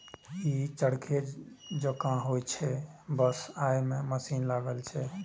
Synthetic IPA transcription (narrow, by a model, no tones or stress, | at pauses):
it͡ʃəɽkʰed͡ʒəkãɦojt͡ʃʰɛbəsajmeməsinlaɡəlt͡ʃʰɛ